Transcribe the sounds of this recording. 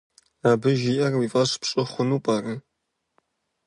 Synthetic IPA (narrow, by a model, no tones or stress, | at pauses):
aːbɨʒiːʔɐrwifʼɐɕpɕʼɪχʷʊnuːpʼɐrɨ